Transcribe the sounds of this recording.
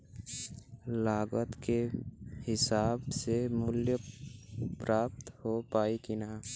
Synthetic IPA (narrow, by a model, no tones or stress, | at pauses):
laːɡət̪kehɪsaːbsemʊljə | pɾaːp̚t̪hopaːikinaː